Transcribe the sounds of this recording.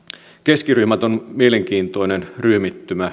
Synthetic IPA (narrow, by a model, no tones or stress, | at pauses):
ke̞skiryhmæt̪o̞nmieleŋk̟iːnt̪o̞jnenryːmit̪ːymæ